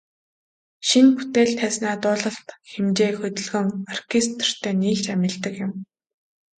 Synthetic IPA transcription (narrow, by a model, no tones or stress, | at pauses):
ʃinput̪eːɮt̪ʰæːsnaːt̪ʊːɮə̆ɬt̪xemt͡ɕeːxɵt̪ʲɪ̆ɮɣɘ̆ŋar̥kʰist̪r̥t̪ʰeːniːɬt͡ɕæmʲɪ̆ɮt̪ə̆kjɪ̆m